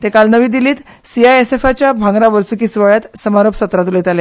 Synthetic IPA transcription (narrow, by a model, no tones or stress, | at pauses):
t̪ẽkalnəʋiːd̪iliːt̪ | siajesefat͡ɕjabʱãŋɡɾaʋəɾsukisʋaɭjat̪səmaɾopsət̪ɾat̪ulet̪ale